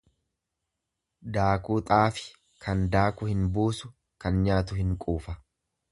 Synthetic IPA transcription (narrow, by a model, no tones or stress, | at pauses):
d̪aːkuːt̪ʼaːfɪ̥ | kʰɐnd̪aːkʊhɪnbuːsʊ | kɐnɲaːt̪̬ʊhɪŋkʼuːfɐ